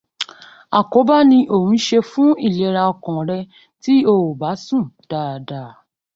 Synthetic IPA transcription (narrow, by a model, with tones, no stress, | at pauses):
a˨ko˨˦ba˦nĩ˧ʔo˨wũ˨˦ʃe˧fũ˦i˦˨lɛ˨ɾa˧ɔ˧kɔ̃˨ɾɛ˧ | ti˦o˧wo˨ba˨˦sũ˦˨d̥a˨da˨